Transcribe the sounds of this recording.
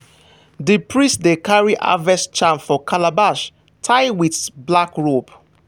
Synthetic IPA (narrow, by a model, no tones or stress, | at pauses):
dipɹĩstdekaɹiʔa̰vɛst͡ʃãnfɔkʰalabaʃ | tʰaɪwitblakɹob